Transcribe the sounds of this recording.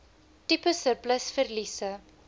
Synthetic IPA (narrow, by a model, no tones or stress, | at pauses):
tipəsərpləsfərlisə